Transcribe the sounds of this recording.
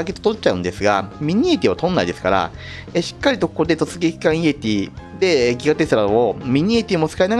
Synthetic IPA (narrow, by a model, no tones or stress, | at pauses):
k̬e̞t̪ːot̪ot͡ɕ̚t͡ɕaɯ̟̃nd̪e̞sɨɡa̰mʲiɲ̟iet̪ʲiβat̪õ̞nːaid̪e̞sɨ̥kaɾa̰ | eɕi̥kːaɾʲit̪o̞ko̥kod̪e̞t̪o̞t͡sɨɡʲe̞kʲi̥kãɰ̃ie̞t̪ʲid̪e̞ɡʲiɡat̪e̞sɨɾaomʲiɲ̟ie̞t̪ʲiomot͡ssɨ̥kainaɡ